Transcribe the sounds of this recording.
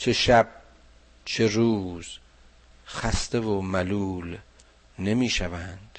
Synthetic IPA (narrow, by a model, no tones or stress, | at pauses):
t͡ʃʰeʃæb̥̚ | t͡ʃʰeɾuːz̥ | xæst̪evomælul | ne̞miːʃævænd̪̥